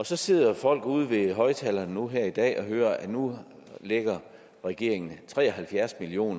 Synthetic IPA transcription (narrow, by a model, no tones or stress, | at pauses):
ɒ̽sɒ̽se̝ð̞̰ˠɐfɒ̽l̰ɡ̥uð̞̰ˠʋe̝ɦɒ̽ɪt͡sʰælɐnnuɦæɐid̥ɛ̰ːʔɒ̽ɦøːɐʔænu | leɡ̥ɐ | ʁɛɡ̥e̝ɐ̰e̝ŋn̩t͡sʰʁɛ̰ːɒɦælfjæɐsmilio̝̰ːnɐ